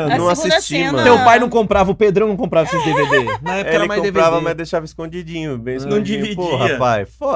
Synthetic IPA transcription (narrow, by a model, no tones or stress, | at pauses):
nɐ̃w̃asist͡ʃimɐ̃t̪ewpajnɐ̃w̃kõmpɾavɐʊped̪ɾɐ̃w̃nɐ̃kõpɾavɐsezd̪eved̪enɐɛkɛɾɐmaj̃d̪eɾavɐmɐjzd̪ejʃavɐiskõd͡ʒid͡ʒĩɲʊbẽj̃nɐ̃w̃d͡ʒivid͡ʒoihapajsfɔ